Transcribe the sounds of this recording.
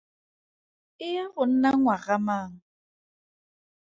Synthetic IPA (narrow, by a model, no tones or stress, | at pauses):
ɪaɣʊn̩naŋwaɣamaːŋ̩